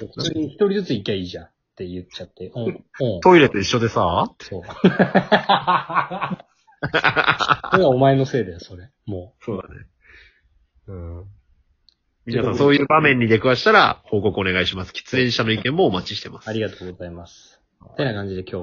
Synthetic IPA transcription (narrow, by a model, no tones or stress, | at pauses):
soɸɯ̥t͡sːɲ̟içi̥t̪o̞ɾʲizɨt͡sɨikʲːaiːʑã | t̪e̞jɯ̟t͡ɕːat̪ːe̞õõːt̪o̞iɾe̞t̪o̞iɕːod̪e̞saso̞ː | ɡaomaeno̞se̞ːd̪eso̞ɾe | mo̞ːsoːd̪a̰nḛ | ɯ̟̃ | mʲinasãso̞ːjɯ̟ːbamẽ̞ɲ̟ːid̪e̞kɯ̟βaɕi̥t̪aɾa̰ho̞ːko̞kɯ̟one̞ɡaiɕimasɨ̥kʲi̥t͡sɨẽ̞ɰ̃ɕano̞ikẽ̞mːo̞ːmat͡ɕi̥ɕi̥t̪e̞masaɾʲiɡat̪o̞ːɡo̞zaimasɨ̥ | t̪e̞nakãɲ̟d͡ʑid̪e̞kʲʰo̞ː